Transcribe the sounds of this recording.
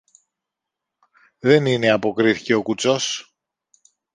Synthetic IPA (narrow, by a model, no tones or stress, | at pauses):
ðe̞nine̞ɐpo̞kɾiθi̥ce̞o̞kut͡so̞s